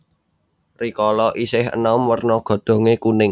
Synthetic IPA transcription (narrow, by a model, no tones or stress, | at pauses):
rikɔlɔʔisɪɦə̰nɔmwərnɔɡ̥ɔ̤d̪̥o̤ŋekunɪŋ